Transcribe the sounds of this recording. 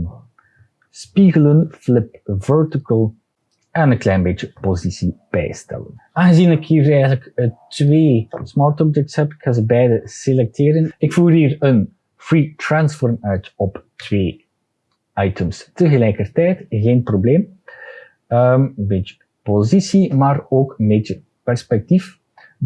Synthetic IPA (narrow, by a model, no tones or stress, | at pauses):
spiɣələnflɪpvɛɹtɪkəlˠ | ʔɛnənklɛjnbeːt͡ʃəpozisib̥ɛ̰jstɛ̰lə̰naɣəziːnɪkhiːɾɛjɣələktʋeːsmɑːɹtɔb̚d͡ʒɛk̚tshɛpɪkxanzəbɛjdəselɛk̚tʰeːɾənɪkfuːrɦiːrən | fritransfɔɹmœɥtɔptweː | ajtəmstəɣəlɛjkərtɛjtɣeːnprobleːm | əmənbeːt͡ʃə̥ | pozisimaːroːkənbeːt͡ʃə | pɛrspɛk̚tif